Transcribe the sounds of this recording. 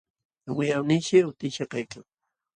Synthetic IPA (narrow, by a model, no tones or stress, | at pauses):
wɪjawnɪʃɪʊt̪ɪʃɑqɑjkaŋ